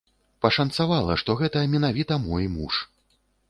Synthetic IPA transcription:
pɐʂɐnt̪savalˠɐ̰ʂt̪ɔɣɛt̪ɐmʲinavʲit̪ɐmɔjmṵʂ

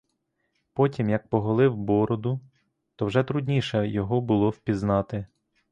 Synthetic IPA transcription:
pɔtʲimjɐk̚pɔɦɔlˠɪwbɔɾɔd̪ʊ | t̪ɔwʒɛt̪ɾʊdʲnʲiʃɛjɔɦɔbʊlˠɔwpʲiznɑt̪ɪ

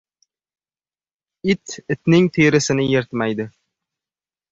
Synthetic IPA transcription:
it̪ɪt̪nɪŋt̪ʰeɾɪsɪnɪjeɾt̪majd̪ɪ

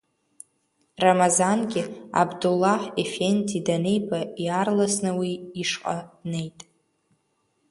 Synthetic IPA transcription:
ramazanɡʲɪa̰bdulːaħefendʰidanejbʼajarlasnɨwiːʂqʼa̰dne̞jtʼ

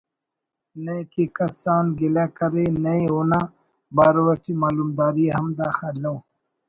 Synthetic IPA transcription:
nejkekɐsɑːnɡilakɐɾenajona | baːɾwaʈimaːlumd̪ɑːɾihɐmd̪axalaw

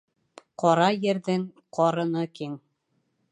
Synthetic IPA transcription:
qɒɾɑjɘ̆ɾðɘŋ | qʰɒɾɤ̆nɤkiŋ

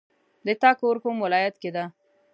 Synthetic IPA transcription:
d̪ət̪ɑkoɾkomwɪlɑjat̪ked̪a

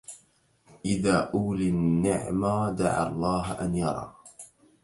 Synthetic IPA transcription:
ʔɪðaːʔuːlɪnːɪʕmaːd̪aʕa̰lˤːɑːɦʔanjɑ̰ɾˤɑ̰ː

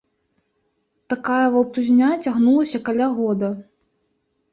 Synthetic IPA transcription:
t̪akajɐvɐlˠt̪uzʲnʲat͡sʲaɣnulˠɐsʲɐkalʲaɣɔd̪ɐ

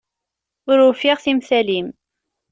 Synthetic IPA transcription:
ʊɾʊfiʁθimθælim

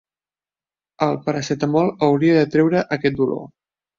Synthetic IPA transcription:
əlˠpəɾəsɛt̪əmɔlˠəwɾiəðət̪ɾɛwɾəʔəkɛt̪̚d̪ulo̰

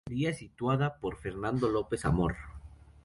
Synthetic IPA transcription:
ɾiasit̪waðapo̞ɾfe̞ɾnãnd̪o̞lo̞pe̞sa̰moɾ

